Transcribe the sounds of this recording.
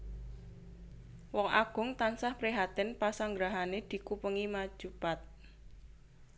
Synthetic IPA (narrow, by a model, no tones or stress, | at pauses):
wɔŋʔaɡ̥ʊ̤ŋt̪ansahpɾiɦat̪ɪnpasaŋɡɾaɦaned̪̥i̤kupəŋimad̥ʒ̥upat̪̚